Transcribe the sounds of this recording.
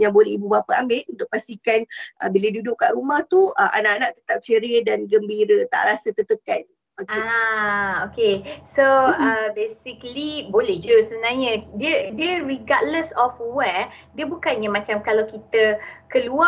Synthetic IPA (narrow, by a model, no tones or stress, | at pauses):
jaŋbolɛhibubapaambɪʔunt̪ʊʔ̚past̪ikanʔə̰bilədudʊʔkaʔrumaht̪uəʔa̰naʔanãʔ̚t̪ət̪ap̚t͡ʃəɾidanɡəmbiɾət̪a̰ʔɾasət̪ət̪əp̚kan | aka | okesoəbesiklibolehd͡ʒosəbənarɲə̃diədiəɾiɡadləsɔfwɛdiəbukanɲamat͡ʃamkalawkit̪əkəlua